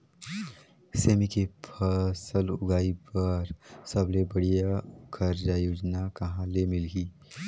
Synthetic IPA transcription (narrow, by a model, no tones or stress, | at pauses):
seːmikepʰəsəlʊ̰ɡaːipɐɾsɐblebɐɽijakʰɐɾd͡ʒajoːd͡ʒnakɐɦãlemɪlɡiː